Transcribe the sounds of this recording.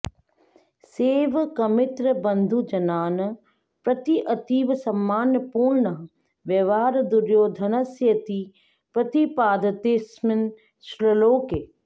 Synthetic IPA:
seːʋkɐmɪt̪ɾəbɐ̃nd̪ʱud͡ʒɐnaːnɐ | pɾɐt̪iʔɐt̪iːʋsɐmːaːnəpuːɾɳə | ʋjɐʋaːɾd̪ʊɾjoːd̪ʱɐnɐsjɐt̪i | pɾɐt̪ipaːd̪ʱət̪eːsmɪn | sləloːkeː

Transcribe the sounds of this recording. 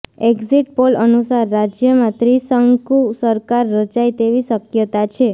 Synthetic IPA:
eɡziʈ̚polənusaɾːad͡ʒjəmãt̪ɾisəŋkusəɾkaɾːət͡ʃajt̪eʋiʃəkjət̪at͡ʃʰe

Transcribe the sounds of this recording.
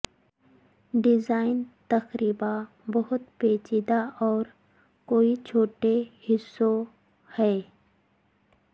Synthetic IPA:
ɖɪzaːɪnt̪ɐxɾiːba | bɐɦʊt̪peːt͡ʃid̪aʔɔːɾ | koːit͡ʃʰoːʈehɪsːo | hɛː

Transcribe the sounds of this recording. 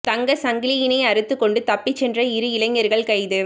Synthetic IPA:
t̪ɐŋɡɐsɐŋɡɪlɪjɪnɐɪɐɾɯt̪ːɯkːɔɳɖɯt̪ɐpːɪt͡ʃːɛndrɐɪɾɯɪlɐŋːɐɾɣɐɭkɐɪðɯ

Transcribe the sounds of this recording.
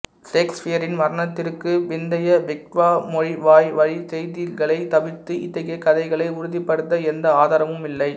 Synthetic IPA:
seːksfɪjɐɾɪnmɐɾɐnɐt̪ːɪrkːɯʋɪnd̪ɐjɐʋɪk̚ʈʋaːmɔɻiʋaːjʋɐɻisɛjðɪlɣɐɭɐɪt̪ɐʋɪt̪ːɯɪt̪ːɐɣekːɐðɐɪɣɐɭɐɪʊɾʊðɪpːɐɽɯt̪ːɐɛnd̪ɐaːðaːɾɐʋɯmɪlːɐɪ

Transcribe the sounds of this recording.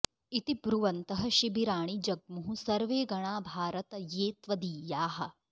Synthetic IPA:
it̪ibɾuʋɐnt̪ɐɦɐ̆ʃibiɾaːɳ̃id͡ʒɐɡ̚muɦũsɐɾʋeːɡɐɽ̃aːbʱaːɾɐt̪ɐjeːt̪ʋɐd̪iːjaːɦɐ̆

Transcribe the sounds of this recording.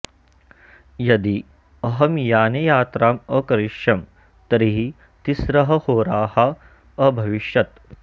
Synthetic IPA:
jɐd̪i | ɐɦɐmjaːnejaːt̪ɾaːmɐkɐɾiʃjɐm | t̪ɐɾiɦi | t̪isɾɐɦɐhoːɾaːhɐ | ɐbʱɐʋiʃjɐt̪

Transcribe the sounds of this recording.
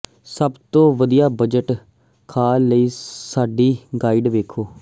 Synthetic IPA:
səbt̪õːʋəd̪ijaːbəd͡ʒəʈ | kʰaːləiːsaːɖiːɡaːɪɖʋeːkʰoː

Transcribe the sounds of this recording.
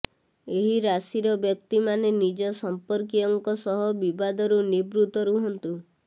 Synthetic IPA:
eɦiɾasiɾɔbjɔk̚t̪imanenid͡ʒɔsɔmpɔɾk̬ijɔŋkɔsɔɦɔbibad̪ɔɾunibɾut̪ɔɾuɦɔnt̪u

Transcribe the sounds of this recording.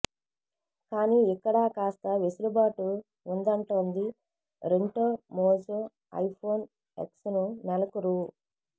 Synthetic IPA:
kaːniːikːɐɽaːkaːst̪ɐʋesulubaːʈu | und̪ɐɳʈoːnd̪i | ɾeɳʈoːmoːd͡ʒo | ɐ̰jpʰo̞ːn | ḛksnunɛlɐkuɾu

